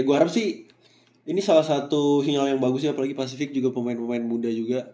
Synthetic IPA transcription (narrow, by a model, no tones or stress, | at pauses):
ɡuaaɾap̚sɪh | inisalahsat̪uɦiŋaljaŋbaɡʊs̬ɪapalaɡipasifɪk̚d͡ʒuɡapəmaɪnpəmaɪnmudad͡ʒuɡa